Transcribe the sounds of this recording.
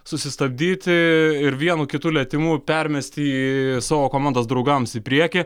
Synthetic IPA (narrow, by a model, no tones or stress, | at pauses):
sʊsʲɪst̪ɐbʲd̪ʲiːt̪ʲɪɪɾʋʲiɛnuːkʲɪt̪uːlʲɛt̪ʲɪmuːpʲɛɾʲmʲɛsʲt̪ʲɪisɑːʋoːkoːmɑnd̪ɐːsd̪ɾɐʊɡɐmsipʲɾʲiɛkʲɪ